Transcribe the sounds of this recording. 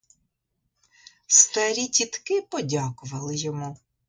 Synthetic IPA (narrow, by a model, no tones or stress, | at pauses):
st̪ɐɾʲitʲit̪kɪpɔdʲakʊʋɐlˠɪjɔmu